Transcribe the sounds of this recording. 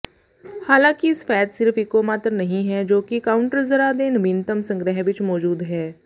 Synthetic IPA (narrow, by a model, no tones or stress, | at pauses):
haːlãːkiɪsfɛːt̪sɪɾfʰɪkomaːt̪ɾnɐɦĩɦɛd͡ʒoːkikaːʊ̃ɳʈəɾzɐɾad̪eːnɐbĩnt̪əmsɐ̃ŋɡɾəɦʋɪt͡ʃmɔːd͡ʒuːd̪ɦɛː